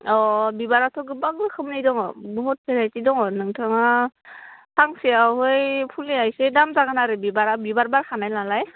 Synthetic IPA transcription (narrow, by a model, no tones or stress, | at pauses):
ɔbibaɾatʰɔɡɯbaɡɯkʰɯmnajdɔŋɔ̰bɔɦut̚pʰeɾajtidɔŋɔnɯŋtʰɯŋa | tʰaŋsiawɦɯjpʰuliajsedamzaɡanaɾɯbibaɾabibaɾbaɾkʰanajlalaj